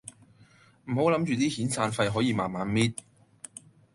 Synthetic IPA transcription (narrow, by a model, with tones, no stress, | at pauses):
m̩˨˩ho˨˥wlɐ˨˥mt͡ʃyː˨t̪iː˥hiː˨˥nsaː˧nfɐ˧jɦɔː˨˥jiː˨˧maː˨nmaː˨˥nmiː˥t̚